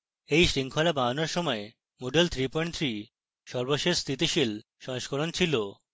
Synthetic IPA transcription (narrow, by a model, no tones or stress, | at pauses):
ejʃɾiŋkʰolabaɦanoɾʃɔmɔe | moɖelt̪ʰɾipoeɳʈt̪ʰɾi | ʃɔɾboʃed͡ʑst̪ʰit̪iʃil | ʃɔŋʃkoɾont͡ɕʰilo